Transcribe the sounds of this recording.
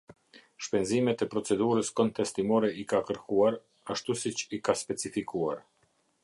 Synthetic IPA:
ʃpɛnzimɛt̪ɛpɾɔt͡sɛd̪uɾəskɔnt̪ɛst̪imɔɾɛikakəɾkuaɾ | aʃt̪usit͡ʃikaspɛt͡sifikuaɾ

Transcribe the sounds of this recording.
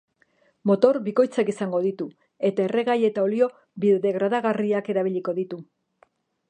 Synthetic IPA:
mo̞t̪o̞ɾbiko̞jt͡sakisaŋɡo̞ð̞it̪u | e̞t̪ae̞re̞ɣaje̞t̪ao̞lio̞ | biðeɣɾaðaɣariake̞ɾaβ̞iʎiko̞ðit̪u

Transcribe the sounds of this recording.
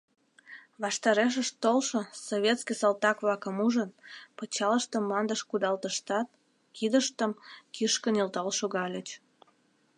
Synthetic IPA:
βɑʃt̪ɑɾeʃ̬əʃt̪olʃosoβʲet̪skisɑlt̪ɑkβɑkəmuʒənpət͡ɕɑləʃt̪əmːɑnd̪əʃkud̪ɑlt̪əʃt̪ɑt̪̚ | kid̪əʃt̪əmkʰiʃkənilt̪ɑlʃoɣɑlʲət͡ɕ

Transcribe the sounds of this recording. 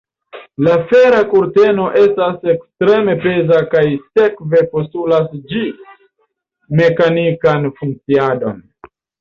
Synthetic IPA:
lafe̞ɾakuɾte̞no̞ʔe̞stase̞kstɾe̞me̞pe̞zakajse̞kve̞po̞stulasd͡ʒi | me̞kanikanfuŋk̚t͡siado̞̰n

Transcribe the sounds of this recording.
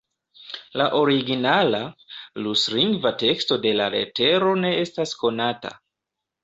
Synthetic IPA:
laʔo̞ɾiɡinalalusliŋɡvate̞ksto̞de̞laɾe̞̰te̞ɾo̞ne̞e̞stasko̞nata̰

